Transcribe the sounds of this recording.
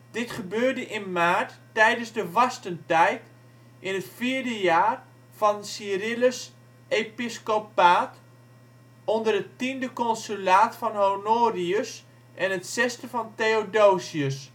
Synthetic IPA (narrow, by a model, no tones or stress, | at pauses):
d̥ɪtχəbøːrdəʔɪnmaːrtː | ɛjdənzdəʋɑstəntɛjt | ʔɪnətfiːɹdəjaːr | fɔnsirɪləs | episkopaːt | ondərətindəkɔnsylaːtfɔnɦonoːriəs | ʔɛnətsɛstəfɔnteodoːsiəs